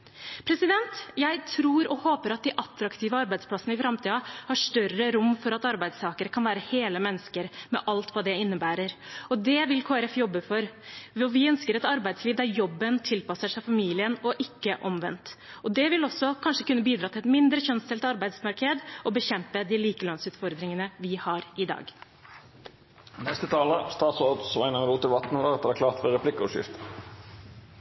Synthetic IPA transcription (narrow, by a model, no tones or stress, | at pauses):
pʰɾɛsɪd̪ɛnt̪jæɪt̪ʰɾuːɾɔhoːpəɾɑt̪̚d̪ɪʔɑt̪ːɾɑkt̪ʰiːʋəɑɾbæɪd̪spʰlɑsənəɪfɾɑmt̪ʰiːɑhɑʂt̪œrəɾʊmːfɔɾɑt̪ɑɾbæɪd̪st̪ʰɑːkəɾəkʰɑnʋæːɾəheːləmɛnːəskəɾmɛ̰ʔɑlt̪ʋɑːd̪ɛɪnːəbæːɾəɾɔd̪ɛʋɪlkʰoːæɾɛfjɔbːəfɔɾɔʋɪœnskəɾɛt̪ɑɾbæɪsliːʋd̪æɾjɔbːənt̪ʰɪlpɑsəʂæɪfɑmiːlɪənɔʔɪkːəʔɔmʋɛ̰nt̪ | ɔd̪ɛʋɪlɔsːɔkʰɑnʂəkʉnːəbiːd̪ɾɑːt̪ʰɪlɛt̪mɪnd̪ɾəçœnst̪ʰɪlt̪ɑɾbæɪd̪smɑɾkəd̪ɔbəçɛmpəd̪ɪliːkəlɑnsʉːt̪fɔɾd̪ɾɪŋənəʋɪhɑɾɪd̪ɑ̰ːɡ | nɛst̪ət̪ʰɑːləst̪ɑːt̪soːʁd̪sʋɑ̰ɪnəʁəluːt̪ɪʋɑt̪n̩lɑʁɛt̪d̪əæːkʰlɑːʁt̪fəɾʁɛpʰlɪkːəʊʂjɪ̰ft̪ə